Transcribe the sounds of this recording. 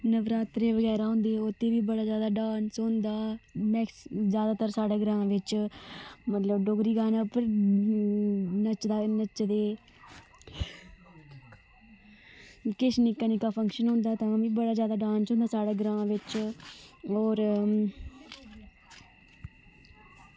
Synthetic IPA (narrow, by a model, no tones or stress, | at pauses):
nəʋɾaːt̪ɾeːʋəɡɛːɾaːɦʊ̃ːnd̪eːʊt̪ʰːeːʋiːbəɽaːzjaːd̪aːɖaːnsɦõnd̪aːmɛːkszjaːd̪aːt̪əɾsaːɽeːɡɾãːãːʋɪt͡ʃ | mət̪ləbɖoɡɾiːɡaːnãːpəɾ | nət͡ʃd̪aːnət͡ʃd̪eː | kɪʃnɪkːənikaːpʰəŋkʃənɦʊ̃ːnd̪aːt̪ãːʋiːbəɽaːzjaːd̪aːɖãːnsõːnd̪aːsaːɽaːɡɾãːãːʋɪt͡ʃ | ɔːɾ